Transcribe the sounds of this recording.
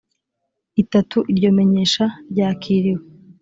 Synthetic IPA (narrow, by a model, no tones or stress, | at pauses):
itatuʔiɾɟo̞ːme̞ɲe̞ːʃaɾɟaːkʰiːɾiwe